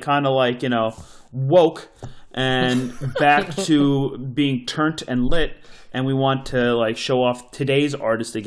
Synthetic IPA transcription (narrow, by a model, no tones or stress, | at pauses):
kʰãɪ̃ndəlaɪkjɨñoʊwoʊkʔɨ̃nbæk̚tʰɨbiɪ̃ŋtʰɜ̃˞ntʰɨ̃nlɪɾʔɨ̃nwiwɑ̃ntʰɨlaɪkʃoʊɔftʰɨdeɪzɑ̰ɹɾɨstɨɡ